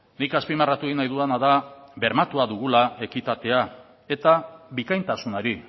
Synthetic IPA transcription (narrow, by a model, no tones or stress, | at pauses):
nikaspimarat̪ueinajðuanaðabe̞ɾmat̪uaðuɣulae̞kit̪at̪e̞a | e̞t̪aβikajnt̪asunoɾi